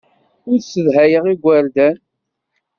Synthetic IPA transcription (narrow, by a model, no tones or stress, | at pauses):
ʊɾsəðɦæjəʁiɡʷːəɾd̪æn